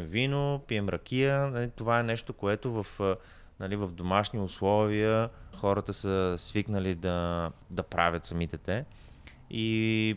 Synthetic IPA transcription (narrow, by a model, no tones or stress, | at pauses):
mvinopiɛmɾɐk̟ijənɐlit̪ovaɛnɛʃt̪okoɛt̪ovəf | nɐlivɐvd̪omaʃniʊslˠɔviəxɔɾət̪əsəsviknəlid̪ɐd̪ɐpɾavʲət̪sɐmit̪ɛt̪ɛ | i